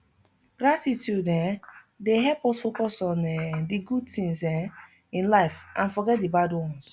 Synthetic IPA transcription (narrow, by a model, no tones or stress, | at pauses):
ɡ̥ɾatitudɛ | deɦɛpɔsfokɔsɔnɛdiɡud̚tĩŋsɛ | ĩnlaɪfʔãnfɔɡɛt̚dibadwɔ̃ns